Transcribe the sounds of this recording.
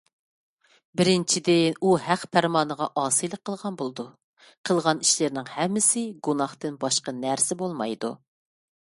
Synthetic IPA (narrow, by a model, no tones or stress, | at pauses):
bɪɾɪnt͡ʃʰid̪ɪuhæqpʰæɾmɑːnəʁɑʔɑːsɨjlˠəqʰːəlˠʁɑnbolˠɨd̪u | qʰəlˠʁɑniʃlɪɾnɪŋhɛmːɪsɪɡunɑχt̪ɨnbɑʃqɑnæɾsɪbolˠmɑjd̪u